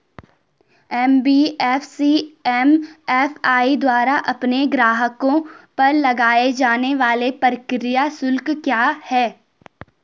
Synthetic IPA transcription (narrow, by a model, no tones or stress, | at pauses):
ɛmbiːɛːfsiɛmɛːfaːid̪waːɾaʔɐpneɡɾaːɦəkõpɐɾlɐɡaːed͡ʒaːneʋaːlepəɾəkɾɪjasʊlkkjaːhɛː